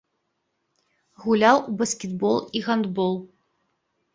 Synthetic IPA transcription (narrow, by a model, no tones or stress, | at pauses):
ɣulʲawubɐskʲɛd̪bɔlˠiɣand̪bɔlˠ